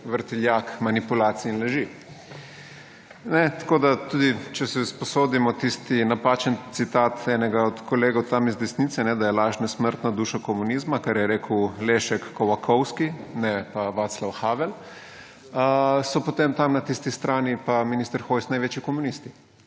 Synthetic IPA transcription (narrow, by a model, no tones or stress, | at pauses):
ʋəɾt̪iljakmanipulaːt̪siːnlɛʒi | nɛt̪ḁkoːd̪at̪ud̪it͡ʃɛsɛsposoːd̪imɔt̪ist̪inapaːt͡ʃɛnt̪sit̪aːt̪ɛnɛɡaɔt̪koleːɡowt̪amizd̪ɛsnit̪sɛnɛd̪ajɛlaːʒnasməɾt̪nad̪uːʃakomuniːzmakaɾjɛɾeːkəwleːʃɛkːɔwakʰɔwskinɛpaʋaːt̪slawxaːʋɛl | sɔpot̪emt̪amnat̪ist̪ist̪ɾaːnipaminist̪əɾxoːjsnajʋeːt͡ʃikomunist̪i